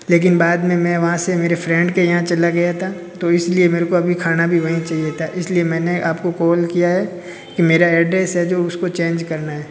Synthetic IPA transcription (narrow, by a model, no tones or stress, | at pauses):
leːk̬ɪnbaːd̪mẽmɛ̃ːʋɐɦãsemeːɾefɾɛ̃ɳɖkejɐɦãt͡ʃɐlaɡɐjat̪ʰa | t̪oɪsliemeːɾekoɐbʱikʰaːnabʱiʋɐɦĩt͡ʃaɦiet̪ʰaʔɪsliemɛ̃ːneʔaːpkokɔːlkijaɦɛː | kimeːɾaɛːɖɾɛsɦɛd͡ʒoːʊskot͡ʃẽːnd͡ʒkɐɾnaɦɛː